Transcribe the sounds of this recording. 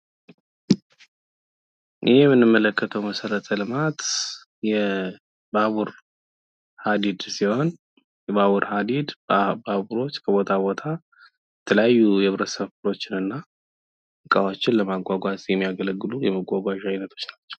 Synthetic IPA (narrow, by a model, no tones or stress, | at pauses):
ʔɪhjɛmːɨnːɨmːələkːət̪ʰəwməsəɾət̪ʰəlɨmat̪ | jɛ | baβuɾ | had̪id̪siho̞n | jɛβaβuɾhad̪id̪baβuɾo̞t͡ʃːkʰəβo̞t̪ʰabo̞t̪ʰa | jɛt̪ʰələjajːujɛβɾəsəβfɨlo̞t͡ʃːɪnɨnːa | ɨkʼawot͡ʃːɪnləmaɡʷaɡʷasʼjɛmːijaɡələɡːɨlujɛməɡʷaɡʷaʃajnət̪ʰo̞̥t͡ʃːnat͡ʃːɛ̥w